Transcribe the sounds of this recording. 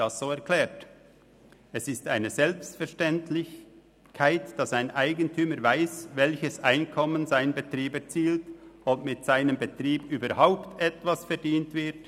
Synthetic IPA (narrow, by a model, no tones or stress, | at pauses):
asz̥oːɛɐkʰl̥ɛːɐt | ɛsɪstaɪnəzɛlpstfɛʁʃtɛntlɪç | kʰaɪtd̥ɑsaɪnʔaɪɡəntʰyːməɾvaɪsvɛlçəsʔaɪnkʰɔmənzaɪnbətʁiːbɛt͡siːltʊp̚mɪtz̥aɪnəmbətʁiːbyːbəɐhaʊptɛtvasfɛʁdiːntv̥ɪɐt